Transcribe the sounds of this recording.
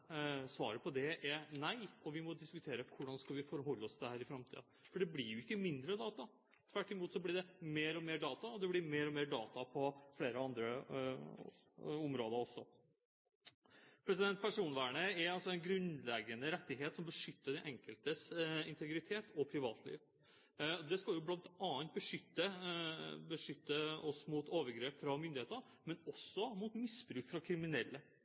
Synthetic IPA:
sʋɑːɾəpʰɔd̪ɛʔɛɾnæɪɔʋɪmɔd̪ɪskʉt̪ʰeːɾəkʰʊɖɑnskɑlʋɪfɔɾɦɔlːəɔsd̪əhæːɾɪfɾɑmt̪ʰḭːɑ | fɔɖɛblɪɾjʊɪkːəmɪnd̪ɾəd̪ɑːt̪ɑ | t̪ʰʋæʈːɪmuːt̪sɔblɪɖɛmeːɾɔmeːɖɑːt̪ɑɔd̪ɛblɪɾmeːɾɔmeːɖɑːt̪ɑpʰɔfleːɾəɑnd̪ɾə | ɔmɾoːd̪əɾɔsːɔ | pʰɾɛsɪd̪ɛnt̪̚pʰæʂuːnʋæːɳəɛɾɑlsɔæɛɪnɡɾʉnlɛɡənəɾɛt̪ːɪɦeːt̪sɔmbəʂʏt̪ːəɖɛʔɛŋkəlt̪əsɪnt̪ʰɛɡɾɪt̪ʰeːt̪ʰɔpʰɾɪʋɑːt̪ʰlḭːʋ | ɔd̪ɛskɑljʊblɑnt̪ɑːənt̪̚bəʂʏt̪ːə | bəʂʏt̪ːəɔsmuːt̪oːʋəɾɡɾeːpfɾɑmʏnd̪ɪheːt̪əɾ | mɛnɔsːɔmuːt̪mɪsbɾʉːkfɾɑkʰɾɪmɪnɛlːə

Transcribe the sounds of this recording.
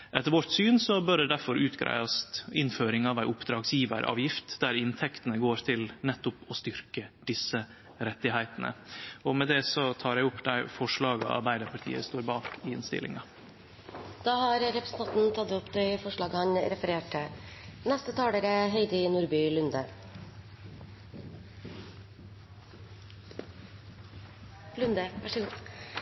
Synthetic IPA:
ʔɛt̪ːəɾʋɔʈ̪syːnsɔbœɖ̪ɛd̪æɾfɔɾʔʉːt̪ɡɾæ̰ɪɑst̪ɪnføːɾɪŋɑʋæɪʊpd̪ɾɑːɡsjiːʋə̰ɾʔɑ̰ːʋjɪft̪d̪æɾɪnt̪ʰɛkt̪ənəɡoːɾt̪ʰɪlnɛt̪ːʊpɔst̪ʏɾkəd̪̥ɪsːə | ɾɛt̪ːɪhæɪt̪ənə̰ɔmɛd̪ɛsɔt̪ʰɑːɾæɪʊpːd̪æɪfɔʂɭɑːɡɑ̰ɑ̰ɾbæɪd̪əɾpʰɑʈʰḭːə̰st̪oːɾbɑːkɪɪnst̪ɪ̰lʔɪ̰ŋɑ | d̪̥ɑːhɑɾɾɛpɾəsn̩t̪ɑnt̪n̩t̪ʰɑt̪ːʊpd̪ɛfɔʂɭɑːɡəhɑnɾɛfəɾeːʈənɛst̪ət̪ʰɑːɽəːɾəɦeɪd̪ənuːɾbyːlʉnd̪ə | lʉnd̪əʋæʂɡuː

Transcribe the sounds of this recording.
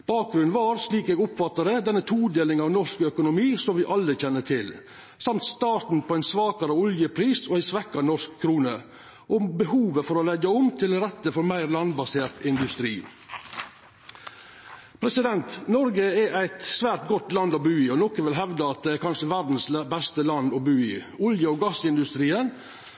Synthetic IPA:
b̥ɑːk̚ɡɾʉnʋɑːɾsliːkeːɡʊpfɑt̪ːəɾəd̪ɛnːət̪ʰuːd̪eːlɪŋɑːʋnɔʂkœkʊnʊmiːsɔmʋɪʔɑlːəçɛnːəʈʰɪl | sɑmt̪st̪ɑːʈ̪n̩pʰoːæɪnsʋɑːkɑɾəʊljəpʰɾiːsoːæɪsʋɛkːɑnɔʂkʰːɾuːnə | ʔɔbəhuːʋəfɔɾɔlɛɡəʊmt̪ʰɪlɾɛt̪ːəfɔɾmæɪɾlɑnbɑseːt̪ɪnd̪ʉst̪ɾḭː | pʰɾɛsɪd̪ɛnt̪nɔɾɡəɛʔæɪt̪sʋæːɾʈ̚ɡɔt̪lɑnd̪ɔbʉːiːɔnɔkəʋɪlɦɛʋd̪əɑt̪̚d̪ɛːkʰɑnʂəʋæɾd̪n̩sbɛst̪əlɑnd̪ɔbʉːiːʊljəoːɡɑsɪnd̪ʉst̪ɾiːən

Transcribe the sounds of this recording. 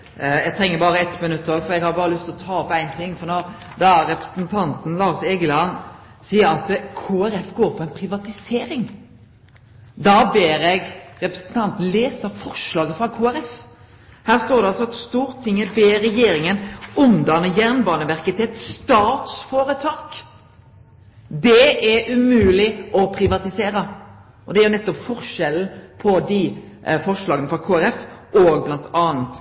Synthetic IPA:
jæɡt̪ɾɛŋːəɾbɑːɾəɛt̪mɪnʉt̪ːoːɡfɔɾɛɡhɑd̪əbɑːɾəlʏst̪ɪlɔt̪ʰɑːɔpæɪnt̪ʰɪŋːfɔɾno | d̪ɑæɾɾɛpɾə̥snt̪ʰɑnt̪n̩lɑːsɛːɡəlɑn | siːəɾɑt̪kʰoːæɾɛfɡoːɾpʰɔɛɪnpʰɾɪʋɑt̪ɪseːɾɪŋ | d̪ɑbeːɾɛɡɾɛpɾəsn̩t̪ʰɑnt̪n̩leːsəɾfɔɾʂlɑːɡəfɾɑkʰoːæɾɛf | hæːʁst̪oːɾd̪ɛɑlsɔɑt̪st̪uːɾt̪ʰɪŋːəbeːɾɛjeːɾɪŋənʉnd̪ɑnəjæʁnbɑːnəʋæɾkət̪ʰɪɛt̪st̪ɑːt̪sfoːɾət̪ʰɑːk | d̪ɛʔæɾʉmʉːlɪʔɔpʰɾɪʋɑt̪ɪseːɾə | ʔɔd̪ɛæɾjʊnɛt̪ːɔpfɔɾʃɛln̩pʰɔd̪i | fɔɾʂlɑːɡənəfɾɑkʰoːæɾɛfʔɔɡ̚blɑnt̪ʰɑːnt̪

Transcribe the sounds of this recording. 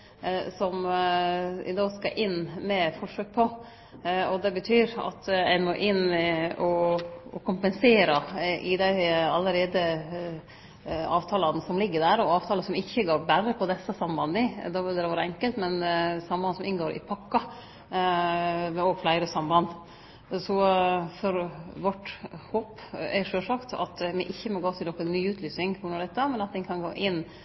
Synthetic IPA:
sɔm | ɪ̰d̪ɑːskɑʔɪnːmɛfɔʂøːk̚pʰɔ | ɔd̪ɛbət̪ʰyːɾɑ̰t̪æ̰ɪmɔʔɪnɔɔkʰʊmpɛnseːɾɑʔɪd̪æɪɑlːəɾeːd̪ə | ɑːʋt̪ʰɑːlɑnəsɔmlɪɡːəɖ̪æɾɔɑːʋt̪ʰɑːləsɔmɪçːəɡoːɾbæɾəpʰɔd̪ɛsəsɑmbɑnɪd̪ɑʋɪld̪ɛd̪ɛʋɑːɾəɛŋkəlt̪mɛnsɑmbɑnsɔmʔɪnɡoːɾʔɪ̰pʰɑkːɑ | mɛoːɡflæɪɾəsɑmbɑnd̪ | sɔfɔɾʋɔʈhoːpæʂøːlʂɑkt̪ʰɑ̰t̪mɪʔɪçːəmɔɡoːt̪ʰɪlnɔkːənnːyːʉːt̪ʰlyːsnɪŋfʊnːɑɖɛt̪ːəmɛnɑt̪̚d̪ɛnkʰɑnɡo̰ːʔɪnː

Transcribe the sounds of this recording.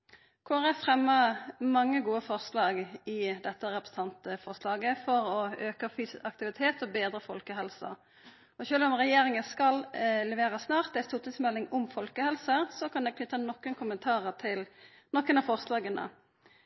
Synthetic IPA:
kʰoːʁəfʁɛmːəmɑŋːəɡuːəfɔʁslɑːɡɪd̪ɛt̪ːəʁɛpʁ̥əsət̪ʰɑnt̪əfɔʁslɑːɡəfɔʁɔøːkəfyːsɑk̚t̪ɪʋɪt̪ʰeːt̪ɔbeːd̪ʁəfɔlkəɦɛlsɑ̰ | ɔɕçøːlɔmʁɛjeːʁɪŋənskɑllɛʋeːʁəsnɑːʁt̪̚d̪ɛst̪uːʁt̪ɪsmɛlːɪŋʊmfɔlkəhɛlsəsɔkʰɑnɛɡknʏt̪ːənɔkːənkʰʊmənt̪ʰɑːʁəʁt̪ʰɪl | nɔkːənɑfɔʁslɑːɡənə̰

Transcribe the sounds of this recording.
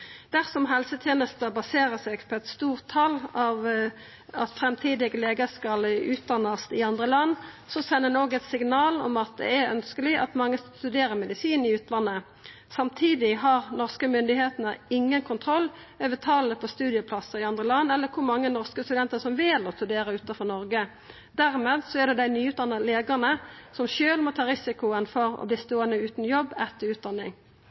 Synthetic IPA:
d̪̥æʁsɔmɦɛlsət̪ʰjeːnəst̪əbɑseːɾəsɛɡpʰɔɛt̪st̪uːʁt̪ʰːɑlɑʋ | ɑt̪fɾɛmt̪ʰiːd̪ɪɡəleːɡəskɑlʉːt̪̚d̪ɑnːəst̪ɪɑnd̪ʁəlɑnː | sɔsɛnːənoːɡɛt̪sɪŋnɑːlɔ̰mɑt̪̚d̪ɛ̰æɾœ̰nskəlɪʔɑ̰t̪mɑŋːəst̪ʉd̪eːɾəʁmɛd̪ɪsiːnɪʉːt̪ʰlɑnːə | sɑmt̪ʰiːd̪ɪɦɑʁnɔʁskəmʏnd̪ɪheːt̪nəɪŋːənkʰʊnt̪ʰʁɔlː | øːʋət̪ʰɑːləpʰɔst̪ʉːd̪ɪəpʰlɑsəʁɪɑnd̪ʁəlɑnːɛlːəkʰʊɾmɑŋːənɔʁskəst̪ʉd̪ɛnt̪əsɔmʋɪlɔst̪ʉd̪eːɾəʉːt̪ɑfɔʁnɔɾɡə | d̪̥æʁmeːd̪sɔæɖ̪ɛd̪æɪnyːʉːd̪ɑnːəleːɡ̪ɑnəsɔmʃøːlmɔt̪ʰɑːɾɪsɪkʊənfɔɾɔ̰bliːst̪oːənəʉːt̪n̩jɔbːɛt̪ːəɾʉːt̪̚d̪ɑnːɪ̰ŋ

